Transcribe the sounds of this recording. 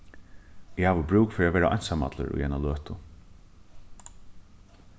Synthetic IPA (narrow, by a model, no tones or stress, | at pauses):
ɪhaːʋʊbɹuːkfɪɾaʋɛːɾaʔɔ̰jnsama̰t̪lə̰ɾṵjanaløːt̪ʊ